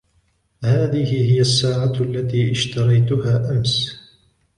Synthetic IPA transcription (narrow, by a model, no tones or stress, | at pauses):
haːðɪhɪɦɪjasːaːʕaalːat̪iːʔɪʃt̪ɑɾˤɑjt̪ʊɦaːʔams